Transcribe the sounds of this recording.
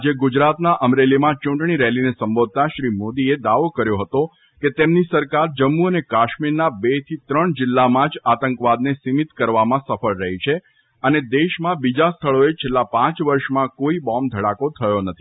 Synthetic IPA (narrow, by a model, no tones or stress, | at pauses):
ad͡ʒeɡʊd͡ʒɾat̪naʔəmɾelimãt͡ʃũɳʈɳ̃iɾɛɦlinesəmbod̪̚ʱt̪aʃɾimod̪ied̪aʋokəɾjoɦət̪o | ket̪emnisəɾkaɾd͡ʒəmːuənekaʃmiɾnabet̪ʰit̪ɾəɳd͡ʒɪlːamãd͡ʒat̪əŋkʋad̪nesimit̪kəɾʋamãsəfəɭɾəɦit͡ʃʰe | əned̪eʃmãbid͡ʒast̪ʰəɭoet͡ʃʰelːapãt͡ʃʋəɾʃmãkoibɔmd̪ʱəɽakot̪ʰəjonət̪ʰi